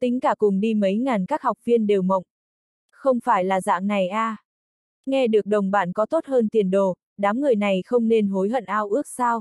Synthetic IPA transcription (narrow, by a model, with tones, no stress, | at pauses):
t̪ï˨˦ŋ̟kaː˧˩kʊ˨˩ŋ͡mɗi˧mə˨˦jŋaː˨˩nkaː˦˥k̚hɔ˨˩wk͡p̚vi˧ənɗe˨˩wmə̰˧˨wŋ͡m | xə˧wŋ͡mfaː˧˩jlaː˨˩za̰ː˧˨ŋna˨˩jʔaː˧ | ŋɛ˧ɗɨ˨˩ək̚ɗə˨˩wŋ͡mɓaː˧˩nkɔ˨˦t̪o˦˥t̚həː˧nt̪i˨˩ənɗo˨˩ | ɗaː˨˦mŋɨ˨˩əjna˨˩jxə˧wŋ͡mne˧nɦo˨˦jɦə̰˧˨nʔaː˧wʔɨ˦˥ək̚saː˧w